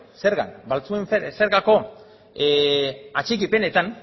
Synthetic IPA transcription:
se̞ɾɣa̰nbalt͡sue̞ɱfese̞ɾɣako̞ | at͡ʃikipe̞ne̞t̪an

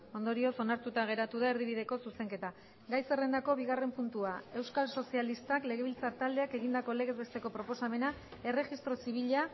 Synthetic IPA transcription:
o̞nd̪o̞ɾio̞so̞naɾt̪ut̪aɣ̞e̞ɾat̪uðaeɾðiβ̞iðe̞ko̞suse̞ŋke̞t̪a | ɡajse̞re̞nd̪ako̞β̞iɣare̞mpunt̪uae̞wskalso̞sialist̪akle̞ɣ̞e̞β̞ilt͡sat̪ald̪e̞ake̞ɣind̪ako̞le̞ɣezβe̞st̪e̞ko̞pɾo̞po̞same̞nae̞re̞ʝist̪ɾo̞siβ̞iʎa

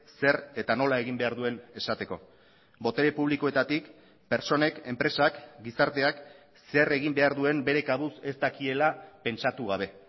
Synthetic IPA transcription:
se̞ɾe̞t̪ano̞lae̞ɣ̞imbe̞aɾðue̞ne̞sat̪e̞ko̞ | bo̞t̪eɾe̞puβ̞liko̞e̞t̪at̪ik | pe̞ɾt͡so̞ne̞ke̞mpɾe̞sakɡisaɾt̪e̞ak | se̞re̞ɣ̞imbe̞aɾðue̞mbe̞ɾe̞kaβuse̞st̪akie̞lape̞nt͡ʃat̪uɣ̞aβ̞e̞

